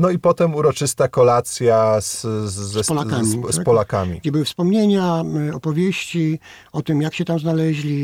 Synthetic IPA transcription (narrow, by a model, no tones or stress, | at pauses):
nɔipɔt̪ɛmuɾɔt͡ʂɘst̪akɔlat̪sʲjaszːɛpɔlakamʲispɔlakamʲḭɡd͡ʑɛbɨwɘfspɔmɲeɲaɔpɔvʲjeɕt͡ɕi | ɔt̪ɘmjakɕɛt̪amznalɛʑlʲi